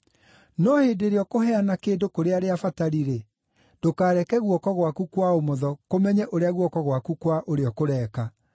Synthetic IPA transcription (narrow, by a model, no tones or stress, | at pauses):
nɔheːdeɾeɔkoɦɛanakeːndokoɾeaɾeafataɾiɾe | d̥okaːɾɛkɛɣwɔkɔɣwakukwaomɔðɔkomɛɲɛʔoɾeaɣwɔkɔɣwakukwaʔoɾeɔkoɾɛːka